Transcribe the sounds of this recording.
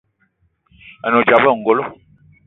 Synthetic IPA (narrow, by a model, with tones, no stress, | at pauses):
a˨no˨d͡ʒa˨bɔ˦˨ŋ̩˨ɡo˦lo˦